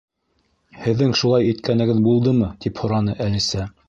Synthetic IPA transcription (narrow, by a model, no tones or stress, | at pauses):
hɘ̆ðːɘŋʃulˠɑjit̪kænɘ̆ɡɘðbulˠd̪ɤmɤt̪iphŏɾɑnɤʔælisæ